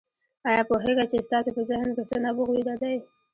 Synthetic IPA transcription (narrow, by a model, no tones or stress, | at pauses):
ɑjɑpoɦeɡat͡ʃest̪ɑsepəzɪhnkesənabuxwid̪ad̪aj